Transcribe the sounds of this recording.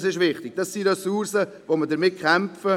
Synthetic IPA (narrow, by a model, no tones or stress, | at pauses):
sɪʃvɪχtɪɡ̥̚d̥ɑsːiɾɛsuɾsə | vomədəɾmɪt̚kʰχɛmfə